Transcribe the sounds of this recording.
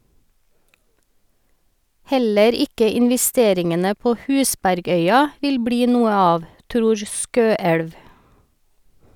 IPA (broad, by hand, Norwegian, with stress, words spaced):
ˈhɛləɾ ˈɪkə ɪnʋɛˈsteːɾɪŋənə ˈpoː ˈhʉːsbæɾˌɡœʏɑ ˈʋɪl ˈbɽiː ˈnuːə ˈɑːʋ ˈtɾuːɹ ˈskøːɛɽʋ